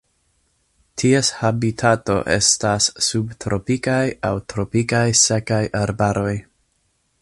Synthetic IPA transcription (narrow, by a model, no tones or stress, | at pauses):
tʰieshabitʰato̞̰ʔe̞̰stasːubtɾʔo̞pikajawtɾo̞pikajsekajʔaɾbaɾo̞j